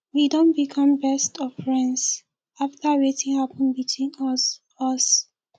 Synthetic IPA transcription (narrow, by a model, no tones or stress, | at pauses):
widõnbikʰɔ̃mbɛstɔv̥ɹɛ̃ndz̥ | aftaɹetĩnhapɔ̃nbitʰwĩn | ɔs